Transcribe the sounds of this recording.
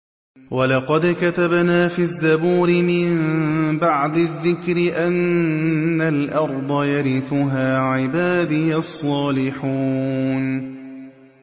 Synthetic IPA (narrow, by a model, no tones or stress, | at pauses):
walɑqɑd̪kat̪abnaːfiːazːabuːɾɪmɪmmbaʕd̪ɪðːɪkɾɪʔanː | alʔɑɾˤd̪ˤɑjaɾɪθʊɦaːʕɪbaːd̪ɪjasˤːɑːlɪħuːn